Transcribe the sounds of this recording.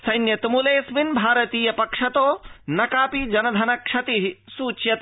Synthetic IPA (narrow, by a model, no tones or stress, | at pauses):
sɐjnjɐt̪umuleːsminbʱaːɾɐt̪iːjɐpɐkʂɐt̪oːnɐkaːpid͡ʒɐnɐd̪ʱɐnɐkʂɐt̪iɦisuːt͡ʃjɐt̪